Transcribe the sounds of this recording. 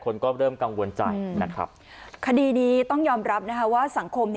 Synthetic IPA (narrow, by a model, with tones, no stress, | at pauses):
kʰo˧nkɔː˥˩ɾɤː˥˩mka˧ŋwo˧nt͡ɕa̰˧jna̰˦˥kʰɾa̰˦˥p̚kʰa˧diː˧niː˦˥t̪ɔ˥˩ŋjɔː˧mɾa˦˥p̚na˦˥kʰa˦˥waː˥˩sa˩˦ŋkʰo˧mn